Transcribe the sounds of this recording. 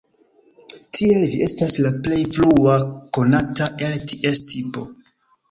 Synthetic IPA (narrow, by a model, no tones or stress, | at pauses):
tʰie̞ld͡ʒiʔe̞staslaple̞jfluako̞nataʔe̞ltiʔestʰipo̞